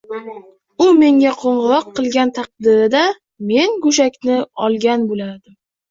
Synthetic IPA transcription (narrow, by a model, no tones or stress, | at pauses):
ʊme̞ŋɡʲaqʰoɴʁɨɾɒqʰːɨlˠɡʲant̪ʰɑq̚d̪ɪɾɪd̪a | me̞nɡʊʃ̬akʲnɪɒlˠɡʲanbolaɾd̪ɪm